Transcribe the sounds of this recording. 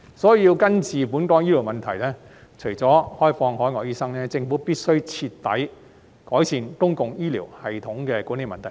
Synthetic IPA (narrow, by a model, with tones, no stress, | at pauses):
sɔː˨˥jiː˧wkɐ˥nt͡sʰiː˨puː˨˥nkɔː˨˥ŋjiː˥li˨˩wmɐ˨nt̪ʰɐ˨˩jlɛː˥ | t͡ʃʰɵ˨˩t͡sɔː˨˥hɔː˥jfɔː˧ŋhɔː˨˥jŋɔː˧k̚jiː˥sɐ˥ŋnɛː˥t͡sɪ˧ŋfuː˨˥piː˥t̚sɵ˥ɥt͡sʰiː˧tt̪ːɐ̰˨˥j | kɔː˨˥jsiː˨nk̪ʊ˥ŋkʊ˨ŋjiː˥lḭː˨˩whɐ˨jt̪ʰʊ˨˥ŋkɛː˧kuː˨˥ne˨˧jmɐ˨nt̪ʰɐ˨˩j